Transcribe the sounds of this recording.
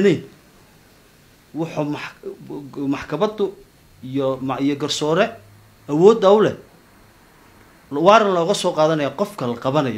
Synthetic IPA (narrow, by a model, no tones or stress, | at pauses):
nɛjn | wɑħʊmɑħ | mɑħkʰɐmɐd̪ʊ | ijɔmijɔɡɐrsɔːɾɛ | ɐwɔːd̪ɐʊlɛ | wɑːɾɐnlɔːɣɐsɔːqɑːðɐnɐjaːqɔfkʰɐlɐqɑβɐnɐjɔ